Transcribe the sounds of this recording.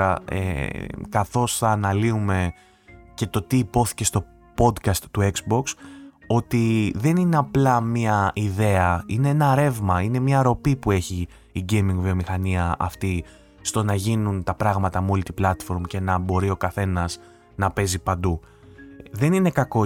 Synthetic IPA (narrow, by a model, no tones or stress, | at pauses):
ɐḛkɐθo̞sθɐːnɐliume̞ | ce̞t̪o̞t̪iːpo̞θi̥ce̞st̪o̞ | po̞d̪kɐst̪ːueksbo̞ks | o̞t̪iðe̞nine̞ɐplɐmiɐiðe̞ɐineenɐɾe̞vmɐine̞mɲɐɾo̞pipue̞çiː | ɟejmĩŋɡvio̞mixɐniɐʔɐ̰ft̪i | st̪o̞nɐʝinunt̪ɐpɾɐɣmɐt̪ɐmo̞lit̪iblɐt̪fo̞ɾmce̞nɐbo̞ɾio̞kɐθe̞nɐs | nɐpe̞zipɐnd̪u | ðe̞nine̞kɐko̞